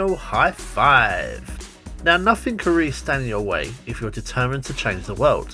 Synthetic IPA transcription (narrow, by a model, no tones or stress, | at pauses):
lˠhaɪfaɪv̥ | naʊnʌθɪ̃ŋkʰə̃nɹistæ̃njəwḛɪɪfjədɪtʰɜːmɨ̃ntʰət͡ʃʰẽɪ̃nd͡ʒðəwɜ̰ːlˠd̥